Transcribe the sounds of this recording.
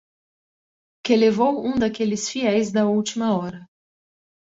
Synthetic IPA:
kelevowũd̪ɐkelɪsfiɛjzd̪ɐuwt͡ʃimɐɔɾɐ

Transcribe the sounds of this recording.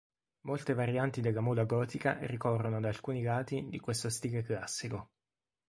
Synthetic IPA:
molt̪evaɾjant̪id̪elːamulaɡɔːt̪ika̰rikɔrːonod̪aːlkuːniɡaːt̪id̪ikwest̪ost̪iɡeklasːiko

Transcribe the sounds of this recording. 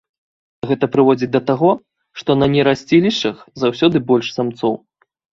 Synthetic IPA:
ɣɛt̪ɐpɾɨvɔd͡zʲid̪ɐt̪aɣɔ | ʂt̪ɔnɐnʲɛɾasʲt͡sʲilʲiʂɐxzawsʲɔd̪ɨbɔlʲʂsamt̪sɔw

